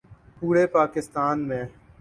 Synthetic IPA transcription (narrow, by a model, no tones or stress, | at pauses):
puːɾepaːkɪst̪aːnmẽː